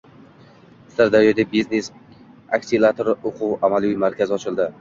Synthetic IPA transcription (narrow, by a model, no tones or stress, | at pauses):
saɾd̪aɾjɒd̪ebiznes | akʲsilˠat̪ʰoɾʊqʰʊwamalˠimaɾkʲazɪɒt͡ʃʰɪlˠd̪ɪ